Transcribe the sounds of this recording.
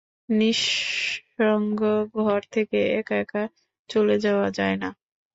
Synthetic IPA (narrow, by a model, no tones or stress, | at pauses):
niʃ | oŋɡoɡʱɔɾt̪ʰekeɛkɛka | t͡ɕoled͡ʑaoad͡ʑaena